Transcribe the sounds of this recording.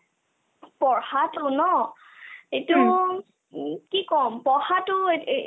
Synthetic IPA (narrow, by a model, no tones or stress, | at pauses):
pɔɹhatʊnɔ | etu | kikɔmpɔhatʊe